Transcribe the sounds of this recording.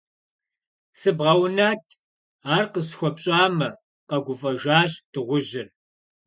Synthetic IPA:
sɨbʁɐwnaːtʰ | aːrqəsxʷɔpɕʼaːmɐ | qɐɡʷʊfʼɐʒaːɕtʰɨʁʷʊʒɪr

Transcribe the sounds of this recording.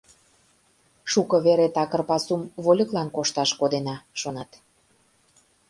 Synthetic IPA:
ʃukɤβeɾet̪ɑkərpɑsumvolʲəklɑnkoʃt̪ɑʃkod̪enɑʃonɑt̪

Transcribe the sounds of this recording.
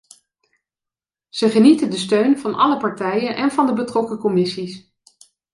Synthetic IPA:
z̥əχənitəndəstøɥnvɑnɑ̰ləpɑɹtɛjənʔɛnvɑndəbətrɔkəkɔmɪsis

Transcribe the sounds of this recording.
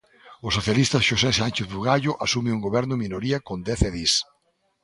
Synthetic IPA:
ʊsoθjalist̪ɐʃosɛsant͡ʃeθβuɣaʎʊʔasumeuŋɡoβɛɾnʊminoɾiɐkõnd̪ɛθɛðis

